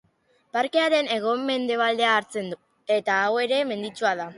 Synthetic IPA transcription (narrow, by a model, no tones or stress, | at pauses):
paɾke̞aɾe̞ne̞ɣ̞o̞mːe̞nd̪e̞β̞ald̪e̞aːɾt͡se̞nd̪u | e̞t̪aːwe̞ɾe̞me̞nd̪it͡ʃuaða